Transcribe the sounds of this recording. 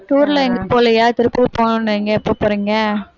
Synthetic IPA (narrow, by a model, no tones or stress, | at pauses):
ʈuːɾlɐɛŋɡɐpoːlɐjaːt̪ɪɾɯpːɯʋɐpoːnʊneŋɡɐɪpːoːpoːɾiŋɡɐ